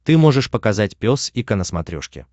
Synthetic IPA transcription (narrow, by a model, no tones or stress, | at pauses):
t̪ɨmo̞ʐɨʂpəkɐzatʲpʲo̞sikənəsmɐt̪ɾʲoʂkʲɪ̰